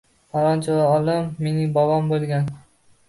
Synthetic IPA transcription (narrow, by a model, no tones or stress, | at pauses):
ɒɾɒnt͡ʃʰaaɒlˠɪmːenɪbɒwɒmbolˠɡʲan